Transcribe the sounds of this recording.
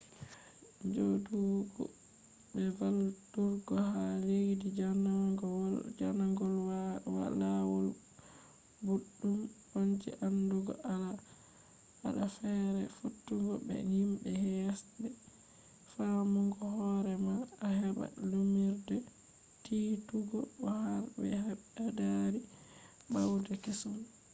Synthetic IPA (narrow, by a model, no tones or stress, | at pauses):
ɲd͡ʒoduwɡɔ̰ | bɛvaltuɾɡɔhaleɡdid͡ʒan | d͡ʒanaŋɡɔlwwa̰lawɔl | buɗːumwond͡ʒḭʔanduɡɔ̰ʔala | ha̰ɗafɛɾɛfutːuɡɔbɛ̰himbɛhɛjasɓɛ | famuŋɡɔhɔɾɛmaahɛba̰lumiɾdɛ | tituɡɔbɔhaɾbɛ̰haadaɾi | bawdɛkisɔm